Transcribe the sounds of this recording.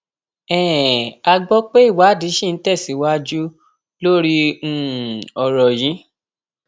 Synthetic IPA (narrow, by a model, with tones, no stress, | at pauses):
ɛ̃ː˨a˧ɡ͡bɔ˦k͡pe˦i˦˨wa˨˦˨di˨˦ʃĩ˦˨n̩˦tɛ˦˨si˨˦wa˦d͡ʒu˦ | lo˦ɾĩ˦˨ | ɔ˨ɾɔ˨jĩ˨˦